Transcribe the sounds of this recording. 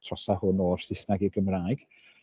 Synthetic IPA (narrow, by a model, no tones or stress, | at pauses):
tʰrɔsahʊnɔːrsɪsnaɡiɡəmraːjɡ̥